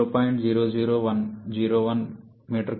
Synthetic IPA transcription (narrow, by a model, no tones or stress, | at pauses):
oːpɔjɳʈd͡ʒiːɾoːd͡ʒiːɾoːʋɐnd͡ʒiːɾoːʋɐn | miːʈɐɾk